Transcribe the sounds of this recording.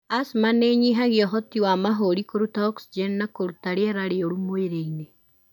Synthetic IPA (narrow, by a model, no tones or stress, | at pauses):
asmaneɲiɦaɣeɔɦɔtiwamaɦoɾikoɾutaɔksid͡ʒɛnnakoɾutaɾeɛɾaɾeoɾumoeɾeine